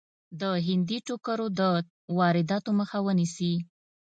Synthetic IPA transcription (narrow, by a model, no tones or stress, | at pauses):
d̪əɦɪnd̪iʈokəɾod̪ə | wɑɾɪd̪ɑt̪oməxawənisi